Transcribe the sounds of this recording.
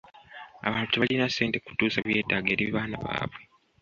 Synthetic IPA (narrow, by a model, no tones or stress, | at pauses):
a̰βaːntuβalinase̞ːnte̞ku̥tuːsaβje̞ːdaɡe̞ːɾiβaːna̰βa̰ːβwe